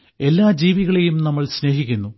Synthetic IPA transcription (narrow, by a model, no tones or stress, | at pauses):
e̞lːaːd͡ʑiːʋiɣɐɭejumnɐmːɐɭsne̞ːɦikʲːunːu